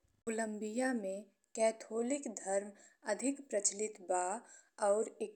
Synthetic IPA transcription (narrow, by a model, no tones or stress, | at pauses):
ʊlə̃mbijamẽ | kɛːt̪ʰoːlɪkd̪ʱɐɾmɐd̪ʱɪkpɾət͡ʃlɪt̪baː | ɔːɾe